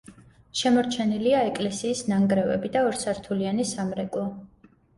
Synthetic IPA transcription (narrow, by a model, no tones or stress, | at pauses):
ʃɛmɔɾt͡ʃʰɛniliaɛkʼlɛsiːsnaŋɡɾɛvɛ̰bid̪aɔɾsaɾt̪ʰulianisamɾɛkʼlˠɔ